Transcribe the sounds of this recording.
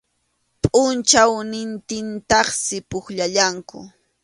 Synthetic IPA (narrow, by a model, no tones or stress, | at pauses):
pʼʊnt͡ʃawnɪnt̪ɪnt̪ɑχsɪpʊχʎaʎaŋkʊ̰